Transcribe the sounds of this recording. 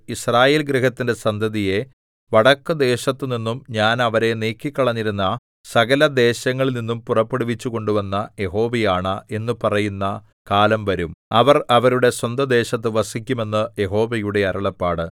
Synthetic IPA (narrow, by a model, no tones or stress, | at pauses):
israːje̞ːlɡɾiɦɐt̪ːinde̞sɐnd̪ʱɐðije̞ | ʋɐɽɐkːɨd̪e̞ːɕɐt̪ːɨninːumɲaːnɐʋɐɾe̞neːkːikːɐɭɐɲːiɾunːɐ | sɐɣɐlɐd̪e̞ːɕɐŋːɐɭninːumpurɐpːe̞ɽuʋit͡ɕːuɣo̞ɳɖuʋɐnːɐje̞ɦo̞ːʋejaːɳɐʔe̞nːɨpɐrɐjunːɐ | kaːlɐmʋɐɾumɐʋɐrɐʋɐɾuɽe̞swɐnd̪ɐd̪e̞ːɕɐt̪̬ːɨʋɐsikʲːume̞nːɨje̞ɦo̞ːʋɐjuɽe̞ɐɾɐɭɐpːaːɽɨ